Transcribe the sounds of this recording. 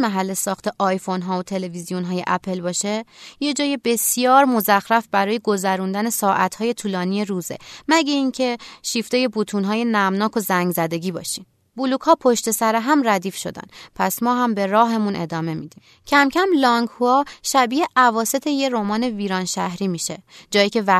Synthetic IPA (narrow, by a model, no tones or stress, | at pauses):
mæɦælːe̞sɒːxt̪ʰe̞ʔɒːjfo̞nɦɒːot̪ʰe̞le̞vizijonɦɒːje̞̰ʔæpʰe̞lbɒːʃe̞je̞d͡ʒɒːjebe̞sjɒːɾmo̞zæxɾæfbæɾɒːje̞ɡo̞zæɾund̪æne̞sɒːʔæt̪ʰhɒːje̞t̪ʰuːlɒːnije̞ɾuːzḛmæɟeiːŋcʰe̞ʃift̪eje̞but̪ʰunɦɒːje̞næmnɒːkʰo̞zæŋɡzæd̪e̞ɟiːbɒ̰ːʃim | buluːkhɒːpʰo̞ʃt̪e̞sæɾeɦæmræd̪iːfʃo̞̰d̪æ̰npʰæsmɒːɦæmbe̞ɾɒːɦe̞munʔe̞̰d̪ɒːme̞miːd̪̥iːm | cʰæmcʰæmlɒŋɡhuɒʃæbiːeʔævɒːse̞t̪ʰe̞je̞ɾomɒːne̞viːɾɒːnʃæhɾiːmiːʃe̞d͡ʒɒːjiːkcʰe̞væ